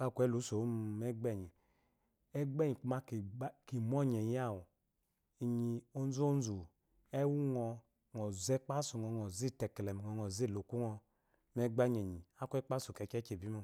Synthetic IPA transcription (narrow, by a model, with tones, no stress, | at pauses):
ka˦˨kʷɛ˦lu˨˦so˨˦m˨mɛ˦ɡ͡bɛ˦˨ɲi˨ | ɛ˦ɡ͡bɛ˦ɲi˨k͡pu˦ma˦kki˨mɔ˦˨ɲɛ˨ja˦˨wu˨ | i˨ɲi˧o˦n˦zo˦n˦zu˨ | ɛ˦wu˦ŋɔ˧ | ŋɔ˨zɛ˦k͡pa˦su˨ŋɔ˨ŋɔ˨zi˦˨tɛ˨klɛ˨m˨ŋɔ˨ŋɔ˨zi˦˨lo˨ku˦ŋɔ˧ | mɛ˦ɡ͡ba˦ɲ˨e˨ɲi˨a˦˨kʷɛ˦k͡pa˦su˨kɛ˨˦t͡ʃɛ˦t͡ʃe˨bi˦mu˦